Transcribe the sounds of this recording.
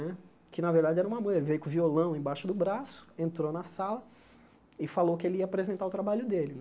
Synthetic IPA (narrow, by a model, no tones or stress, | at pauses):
ɛ | kɪnɐveɾd̪ad͡ʒɪɛɾɐũmɐmõjelɪvejʊkʊ̃violɐ̃w̃ẽj̃baʃʊd̪ʊbɾasʊ̥ẽnt̪ɾonɐsalɐ | ɪfalokɪelɪiɐapɾezẽnt̪aʊt̪ɾabaʎʊd̪elɪnɛ